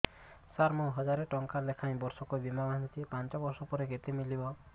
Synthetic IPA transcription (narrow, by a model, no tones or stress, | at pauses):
saɾmuɦɔd͡ʒaɾeʈɔŋkalekʰaj̃bɔɾsɔkubimabant̪ʰipant͡ʃɔbɔɾsɔpɔɾeɡet̪emilibɔ